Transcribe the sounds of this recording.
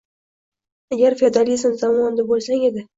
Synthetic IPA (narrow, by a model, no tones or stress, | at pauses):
aɡʲaɾfed̪alizɨmzamɒnd̪abolsaŋe̞d̪ɪ